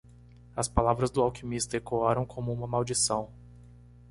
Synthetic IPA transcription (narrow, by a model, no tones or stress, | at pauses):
ɐspalavɾɐzd̪ʊawkimist̪ɐekoaɾɐ̃w̃kʰõmʊũmɐmawd͡ʒisɐ̃w̃